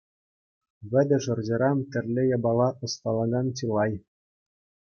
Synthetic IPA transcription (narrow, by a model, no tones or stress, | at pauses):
βʲɘ̆d̪ʲɘ̆ʐɤ̆rʑɤ̆ɾɑmt̪ʲɘ̆rʲlʲɘ̆jɑbɑlˠɑʔɤ̆st̪ɑlˠɑɡɑnt͡ɕilˠɑj